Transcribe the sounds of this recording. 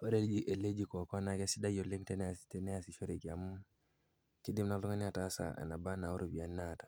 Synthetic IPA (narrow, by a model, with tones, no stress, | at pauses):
o˦ɾe˦ld͡ʒiʔe˨le˦d͡ʒi˨ko˨kɔ˦na˨ke˦si˦da˦jo˨le˦mtɛ˦nɛ˦a˨si̥tɛnɛ˦asi˨ʃo˦ɾe˨ki˨a˨mu˦ | ki˦di˦mna˨lu˦ŋa˦ni˦a˨ta˦sa̰a̰˨na˨ba˦na˨o˦ɾo˨bi˨a˨nːatḁ˨